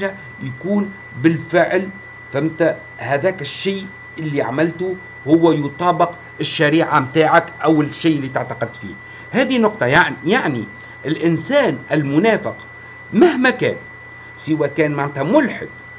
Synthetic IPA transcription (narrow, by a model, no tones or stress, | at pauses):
ʒa | jakuːn | bɪlfɪʕl | fæmt̪æ | hæðæːkɪʃːiː | ʔɪlːiʕamɪlt̪u | hʊwːæjʊt̪ˤɑːbɪq | ɪʃːæɾiːʕamt̪aːʕakʔæwɪlʃːiːʔɪlːit̪aʕt̪ɑqɪd̪̚t̪fḭːh | hæːðinːʊqt̪ˤɑjaʕjaʕni | ʔɪlʔɪnsæːnʔɪlmʊnæːfɪq | mæhmækæːn | sɪwæːkæːnmaʕnt̪hæmʊlħɪ̰d̪̚